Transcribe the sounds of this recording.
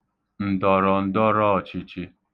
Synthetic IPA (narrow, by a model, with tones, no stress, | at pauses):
n̩˨d̪ɔ˨ɾɔ˨n˦d̪ɔ˦ɾɔ˦˨t͡ʃʰi˨t͡ʃʰi˦